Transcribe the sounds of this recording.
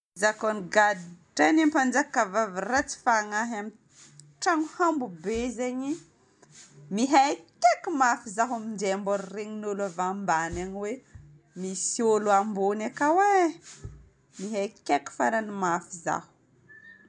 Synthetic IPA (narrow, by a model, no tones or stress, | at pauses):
zakoniɡad̪iʈ͡ʂanampand͡ʒakavavirat͡si̥faŋaɦami | ʈ͡ʂaŋuhambubezeɲi | miɦakʲekimafizaɦamindemboɾreɲinulavambanaɲiwe | misioluambonakawe | miɦajkeki̥faɾanimafiza̰hu̥